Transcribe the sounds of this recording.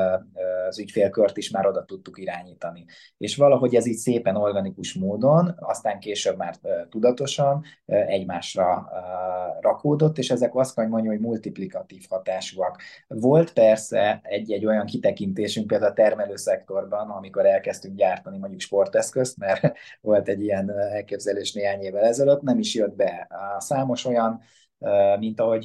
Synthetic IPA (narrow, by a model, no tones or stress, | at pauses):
zycfeːlkørt̪iʃmaːɾo̞d̪ɒt̪ut̪ːukiɾaːɲiːt̪ɒni | ḛːʃʋɒlɒɦo̞ɟɛziːcseːpɛno̞rɡɒnikuʃmoːd̪o̞nɒ̰st̪aːŋkeːʃøbmaːrøːt̪ud̪ɒt̪o̞ʃɒnɛɟmaːʃrɒ | rɒkoːd̪o̞t̪ːeːʃɛzɛkɒst̪kɒɲmoɲːuɦoɟmult̪iplikɒt̪iːfhɒt̪aːʃuɒkvo̞lt̪pɛrsɛɛɟːɛɟːo̞jɒŋkit̪ɛkint̪eːʃyŋkpeːld̪aulːt̪ɛrmɛløːsɛkt̪o̞rbɒnɒmiko̞ɾɛlkɛst̪yŋkɟaːrt̪ɒnimoɟukʃpo̞rt̪ɛskø̞st̪mɛrvo̞lt̪ɛɟːijɛnɛlkeːbzɛleːʃneːɦaːɲeːvɛlɛzɛløt̪nɛmiʃjød̪̚bɛsaːmo̞ʃo̞jɒnː | mint̪ɒɦo̞ɟ